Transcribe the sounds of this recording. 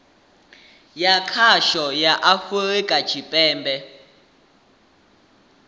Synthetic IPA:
jakʰaʃɔjaʔafɛɛkʼad̥ʒ̥ʱipʼɛːmbɛ

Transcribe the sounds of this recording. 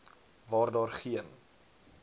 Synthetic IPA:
vɑːrdɑːrχiən

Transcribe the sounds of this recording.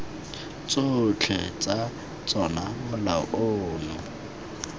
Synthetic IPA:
t͡sʼot͡ɬʰɛ̰t͡sʼa | t͡sʼɔnamʊlaɔ̰ʔʊnʊ

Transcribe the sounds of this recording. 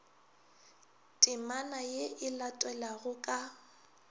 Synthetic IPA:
tʼɪmanajeɪlatʼwɛlaɣʊkʼa

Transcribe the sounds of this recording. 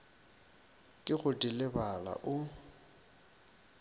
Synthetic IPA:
kʼɪɣʊdilɪbala̰ʔʊ

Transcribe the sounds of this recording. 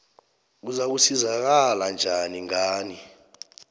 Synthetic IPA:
k̬uzak̬usizak̬aland͡ʒʱaniŋaːni

